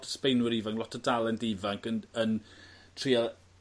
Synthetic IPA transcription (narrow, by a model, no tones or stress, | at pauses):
dspejnwɪɾivaŋlɔtʰədalˠɛndivaŋkənən | tʰria